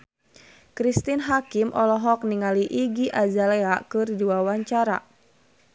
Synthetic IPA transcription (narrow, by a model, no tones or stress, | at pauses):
kɾist̪inɦakimʔɔlɔɦɔk̚niŋaliʔiɡiʔazalɛakɨrduwawaɲt͡ʃaɾa̰